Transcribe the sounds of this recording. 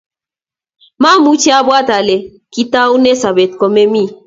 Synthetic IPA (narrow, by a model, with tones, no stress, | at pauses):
ma˦˨mu˦t͡ʃi˦a˦bwa˦˨ta˨le˨ | ki˦ta˦u˦ne˦sa˨be˨t̚kɔ˨me˦mi˦˨